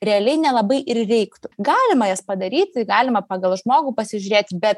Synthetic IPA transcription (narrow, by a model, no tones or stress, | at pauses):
ɾʲɛɐlʲɛɪnʲɛlˠɐbɐɪʔɪrrʲɛɪkt̪ʊɡɑːlʲɪmɐjɛspɐd̪ɐɾʲiːt̪ʲɪɡɑːlʲɪmɐpɑːɡɐlˠʒmoːɡuːpɐsʲɪʒʲʊɾʲeːt̪ʲbʲɛt̪